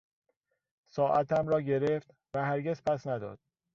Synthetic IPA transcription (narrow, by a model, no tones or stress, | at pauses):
sɒːʔæt̪ʰæmɾɒːɟe̞ɾeft̪ | væhæɾɡezpʰæsnæd̪ɒ̰ːd̪̥̚